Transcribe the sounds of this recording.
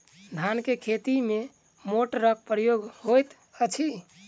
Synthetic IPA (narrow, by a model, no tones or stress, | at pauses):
d̪ʱankekʰet̪ime | moʈɾəkʰpɾəjoɡhojt̪ | ət͡ʃʰi